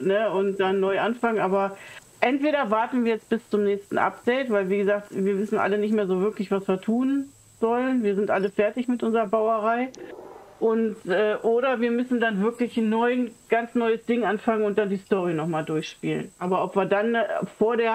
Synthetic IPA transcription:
nəʊnt̚d̥anːɔʏʔanfaŋənʔaːbɐ | ʔɛntv̥eːɾɐvaɐtn̩viːɐjɛt͡sb̥ɪst͡sʊmnɛːçstn̩ʔa̰p̚d̥ɛɪtv̥aɪlviːɡəzaːχktviːɐvɪsn̩ʔa̰lənɪçtmeːɐzoːvɪɐklɪçv̥asviːɐtʰuːn | z̥ɔlənviːɐzɪntʔaləfɛɐtɪçmɪtʔʊnzəʁɐbaʊɐʁaɪ | ʔʊntʔɛːʔoːɾɐviːɐmʏsn̩danvɪɐklɪçnːɔʏənɡ̥ant͡snɔʏəsd̥ɪŋʔanfaŋənʊnt̚d̥andiːstɔʁinɔχmaːldʊɐçʃpḭːlə̰nʔaːbɐɔpv̥iːɐdanfoːɐdeːɐ

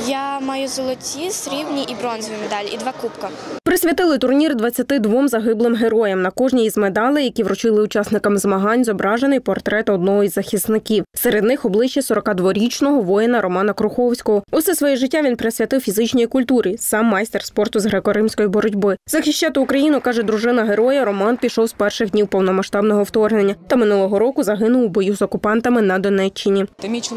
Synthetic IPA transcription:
jamɑjʊzɔlˠɔtʲisɾʲiwnʲiʔibɾɔnzɔʋʲijmed̪ɑlʲid̪ʋɑkupkɐpɾɪsʲʋʲjɐt̪ɪlˠɪt̪ʊrnʲird̪ʋɐt͡sʲːɐt̪ɪd̪ʋɔmzɐɦɪblˠɪmɦeɾɔjɛmnɐkɔʒnʲijizmed̪ɑlˠɪjɐkʲiʋɾʊt͡ʃɪlˠɪʊt͡ʃɑsnɪkɐmzmɐɦɑnʲzɔbɾɑʒenɪjpɔrt̪ɾɛt̪ɔd̪nɔɦɔizːɐxʲisnɪkʲiwseɾe̞d̪nɪxɔblˠɪʃːɛsɔɾɔkɑd̪ʋɔɾʲit͡ʃnɔɦɔʋɔjɪnɐɾʔɔmɑnɐkɾʊxɔwsʲkɔɦɔʊsɛsʋɔjɛʒɪtʲːaʋʲinpɾesʲʋʲɐt̪ɪwfʲizɪt͡ʃnʲɔjikʊlʲt̪uɾʲisɑmːɑjst̪erspɔrt̪ʊzɦɾɛkɔɾɪmsʲkɔjibɔɾɔdʲbɪzɐxʲiʃt͡ʃːɑt̪ɪʊkɾɐjinʊkɑʒɛd̪ɾʊʒɪnɐɦeɾɔjɐɾɔmɑnpʲiʃɔwzpɛrʃɪɣdʲnʲiwpɔwnɔmɐʃt̪ɑbnɔɦɔwt̪ɔrnenʲːɐt̪ɐmɪnulˠɔɦɔɾɔkʊzɐɦɪnʊwbɔjuzɔkʊpɑnt̪ɐmɪnɐd̪ɔnɛt͡ʃːɪnʲi

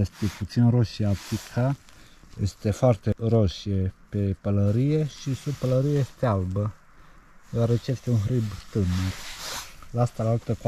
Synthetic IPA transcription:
est̪eput̪sinroʃieap̪ikʰa | jḛst̪e̞foart̪e̞roʃiepe̞pələɾije̞ʃisub̚pələɾijeje̞st̪ealbə | d̪oaɾet͡ʃejest̪e̞unɦɾibt̪ɨnur | laast̪alaalt̪ək

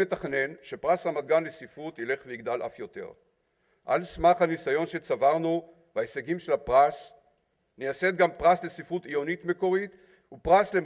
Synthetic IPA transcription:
etaχne̞nʃe̞pʁashamad̪̚ɡanlesifʁut̪ile̞χveiɡd̪alʔa̰fjo̞t̪e̞̰ʁ | ʔa̰lsmaχhanisajo̞nʃet͡savaʁnu | vaeseɡimʃelapʁas | neased̪̚ɡampʁasle̞sifʁutijo̞nitme̞ko̞ʁit | upʁasle

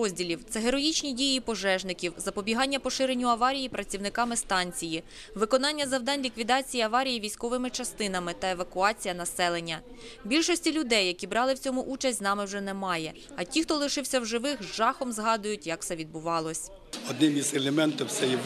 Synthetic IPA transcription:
ɔzʲdʲilʲiwt̪sɛɦeɾɔjit͡ʃnʲidʲijipɔʒɛʒnɪkʲiwzɐpɔbʲiɦɑnʲːɐpɔʃɪɾenʲːʊɐʋɑɾʲijipɾɐt͡sʲiwnɪkɑmɪst̪ɑnʲt͡sʲiji | ʋɪkɔnɑnʲːɐzɐwd̪ɑnʲlʲikʋʲid̪ɑt͡sʲijiɐʋɑɾʲijiʋʲijsʲkɔʋɪmɪt͡ʃɐst̪ɪn̪ɐmɪt̪ɐeʋɐkʊɑt͡sʲijɐnɐsɛlˠenʲːɐ | bʲilʲʃɔsʲtʲilʲʊd̪ɛjːɐkʲibɾɑlˠɪwt͡sʲɔmʊʔut͡ʃɐsʲt̪ʲznɑmɪwʒɛnɛmɑjɛ | ɐtʲixt̪ɔlˠɪʃɪwsʲɐwʒɪʋɪxʒɑxɔmzɦɑd̪ʊjʊtʲjɐk̚t̪sɛʋʲid̪bʊʋɑlˠɔsʲ | ɔd̪nɪmʲizelʲˠemɛnt̪ɪwt̪sɛji

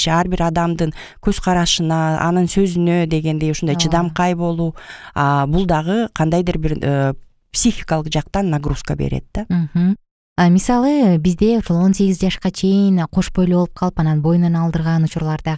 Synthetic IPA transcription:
ʃɑɾbiɾɑd̪ɑmd̪ɯŋ | kʰøz̥qʰɑɾɑʃɯnɑɑ̰nɯnsø̞zynød̪e̞ɡe̞nd̪e̞joʃund̪ɑajt͡ʃʰɯd̪ɑmqɑjbo̞lˠuɑbulˠd̪ɑʁɯqʰɑnd̪ɑjd̪ɯɾbiɾ | psʲixʲikalˠɯqd͡ʒɑqt̪ɑnːaɡruskəbe̞̰ɾḛt̪̚d̪̥am̩hm̩ | ɑmʲisɑlˠɯbizd̪e̞oʃolˠo̞nse̞ɡʲizd͡ʒɑʃqɑt͡ʃʰe̞jinqʰo̞ʃbo̞jloup̚qʰɑlˠɯpɑnɑnbo̞jnonɑlˠd̪ɯɾʁɑnut͡ʃuɾlˠɑɾd̪ɑ

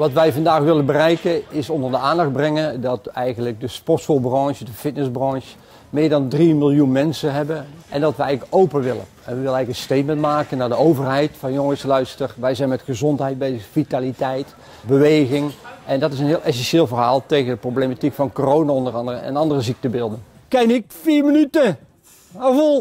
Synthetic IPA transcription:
ʋɑtʋɛjvɑndaːxʋɪlənbərɛjkəɪsɔndəɹdəaːndɑχt̚brɛŋəndɑtɛjɣəntləɡ̚dəspɔsɔlˠbrɑ̃ŋʃədəfɪtnəzbrɑ̃ŋʃ | mɪːɹdɑndrimɪlˠjunmɛnsəɦɛbənʔɛndɑtʋəɛjləkowpənʋɪlə̰n | ɛnʋəʋɪlənɛjəkənstejtmɛntmaːkənːaːdəowvərɦɛjtfɑnjoŋəslœɥstərʋɛjzɛjnmɛtχəzɔntɦɛjt̚bejzəxfitalitɛjt | bəʋejɣɪŋʔɛndɑtɪsənɦɪːlˠʔɛs̬ɛnʃɪːlˠvərɦaːlˠtejɣəndəprowblejmatikfɑnkorownaɔndərɑndərəɛ̰nɑndərəzik̚təbɪlˠdənkɛnɪk̚fiːɹmənytə | avolˠ

